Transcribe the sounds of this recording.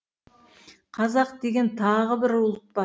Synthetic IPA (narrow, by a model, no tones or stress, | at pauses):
qʰɑzɑqd̪e̞ɡʲe̞nt̪ʰɑʁəbɪɾʊlˠət̪̚bɑ